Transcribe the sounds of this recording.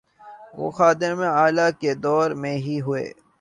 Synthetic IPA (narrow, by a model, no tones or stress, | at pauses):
ʋo̰ːxaːd̪ɪɾmẽaːlaked̪ɔːɾmẽɦiɦʊḛː